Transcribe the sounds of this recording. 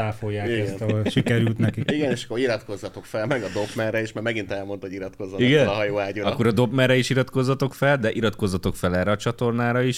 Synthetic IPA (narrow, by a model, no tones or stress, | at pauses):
aːfojːaːisnt̪ɒolʃikɛɾylt̪nɛkiiɡɛneːʃɒ̥kːoɾiɾɒt̪ko̞zːɒt̪o̞kfɛlmɛɡɒd̪o̞pmɛrɛeːʃmaːɾmɛɡint̪ɛlmo̞nt̪hoiɾɒt̪ko̞zːɔt̪iɡɛnɦɒjoːaːɟuɾɒkːoɾɒd̪o̞pmɛrɛiʃiɾɒt̪ko̞zːɒt̪o̞kfɛld̪ɛʔiɾɒt̪ko̞zːɒt̪o̞kfɛlɛːrːɛɒt͡ʃɒt̪o̞rnaːɾɒiʃ